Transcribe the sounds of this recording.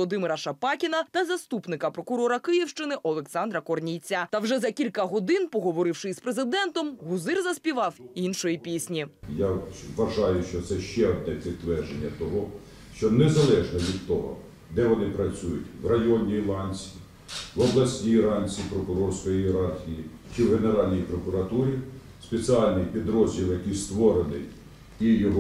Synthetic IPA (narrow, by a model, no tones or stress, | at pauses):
ɔd̪ɪmɪɾɐʃɐpɑkʲinɐt̪ɐzɐst̪upnɪkɐpɾɔkʊɾɔɾɐkɪjiwʃt͡ʃɪnɪʔɔlˠeksɑnd̪ɾɐkɔrnʲijt͡sʲːɐt̪ɐwʒɛzɐkʲilʲkɐɦɔd̪ɪnpɔɦɔʋɔɾɪwʃɪjspɾezɪd̪ɛnt̪ɔmɦʊzɪrzɐsʲpʲiʋɑwinʃɔjipʲisʲnʲijaʋɐʒɑjʊʃt͡ʃɔt̪sɛʃt͡ʃɛɔnɛpʲit̪ːʋɛrʒenʲːɐt̪ɔɦɔ | ʃt͡ʃɔnezɐlˠɛʒnɔʋʲid̪t̪ːɔɦɔ̰ | d̪ɛʋɔnɪpɾɐt͡sʲujʊtʲwrɐjɔnʲiːlˠɑnʲt͡sʲi̥ | ʋɔblˠɐsʲnʲiɾɑnʲt͡sʲipɾɔkʊɾɔrsʲkɔjieɾɑrxʲijit͡ʃɪwɦeneɾɑlʲnʲijpɾɔkʊɾɐt̪uɾʲi | spet͡sʲiɑlʲnɪjpʲid̪ɾɔzʲilˠjɐkijst̪ʋɔɾenɪ̰j | ijɔɦɔ